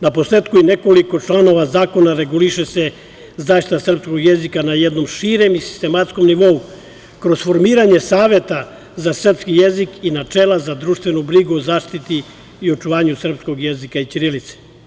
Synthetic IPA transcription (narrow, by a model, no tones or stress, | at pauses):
napo̞seːt̪kuine̞ko̞liko̞t͡ʃlano̞ʋazaːko̞naɾe̞ɡuliʃese̞ | zaːʃt̪it̪asr̩psko̞ɡjezikanajed̪no̞mʃiɾemisi̥st̪e̞mat̪sko̞mniʋo̞u | kɾo̞zfo̞ɾmiːɾaɲe̞saːʋje̞t̪a | zasr̩pskijezikinat͡ʃeːlazad̪ɾuːʃt̪vʋe̞nubɾiɡuozaːʃt̪it̪i | io̞t͡ʂuʋaːɲusr̩psko̞ɡjezikait͡ʃ̪iɾilit̪se̥